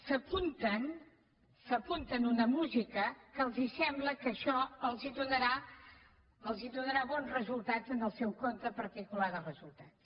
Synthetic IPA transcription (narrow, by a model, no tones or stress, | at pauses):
səpunt̪ən | səpunt̪ənunəmuzikəkəːlˠzisɛmbləkəʃɔəlˠziðunəɾa | əlˠziðunəɾaβɔnzrəzulˠt̪azənəlˠsɛwkont̪əpəɾt̪ikulaðərəzulˠt̪ats